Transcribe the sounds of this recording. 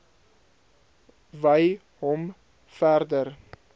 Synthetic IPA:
vəj | ɦɔm | færdər

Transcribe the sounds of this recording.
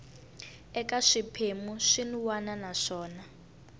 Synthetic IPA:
ɛkaʂipʰemuʂinuwananaʂɔːna

